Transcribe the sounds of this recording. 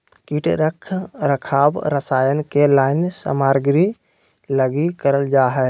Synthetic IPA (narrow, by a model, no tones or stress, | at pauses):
kiʈɾəkʰɾəkʰabɾəsajənkelaɪnsə̰maɾɡɾi | ləɡikəɾəld͡ʒaɦɛ